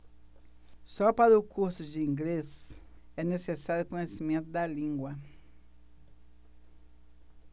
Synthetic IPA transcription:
sɔpaɾʊkʰuɾsʊd͡ʒɪĩŋɡlesɛnesesaɾjʊkõɲesimẽnt̪ʊd̪ɐlĩŋɡwɐ

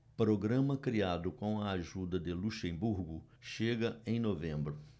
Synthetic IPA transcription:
pɾoɡɾɐ̃mɐkɾiad̪ʊkõw̃ɐaʒud̪ɐd̪ɪluʃẽbuɾɡʊ | ʃeɡɐẽj̃novẽmbɾʊ

